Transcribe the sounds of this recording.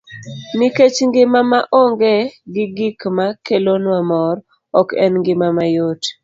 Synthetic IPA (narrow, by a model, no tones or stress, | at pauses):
niket͡ʃŋɡɪmamaʔɔŋɡeɡɪɡikmakelonwamɔr | ɔkɛ̰nŋɡɪmamajot